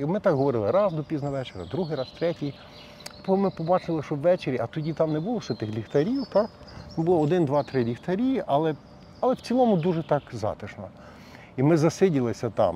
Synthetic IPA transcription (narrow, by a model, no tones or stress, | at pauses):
mɪt̪ɑkɦɔʋɔɾɪlˠɪɾɑzd̪ɔpʲiznɐʋɛt͡ʃeɾʲɐ̰d̪ɾuɦɪjɾɑst̪ɾɛtʲij | pɔmɪpɔbɑt͡ʃɪlˠɪʃɔwːɛt͡ʃeɾʲiʔɐt̪ɔdʲit̪ɑmnɛbʊlˠɔwsɛt̪ɪxlʲixt̪ɐɾʲiwt̪ɑk | t̪ɑmbʊlˠɔɔd̪ɪnd̪ʋɑt̪ɾɪlʲixt̪ɐɾʲiʔɐlˠɛ | ɐlˠɛwt͡sʲilˠɔmʊd̪uʒɛt̪ɑkzɑ̰t̪ɪʃnɔ̰ | imɪzɐsɪdʲiɪlˠɪsʲɐt̪ɑ̰m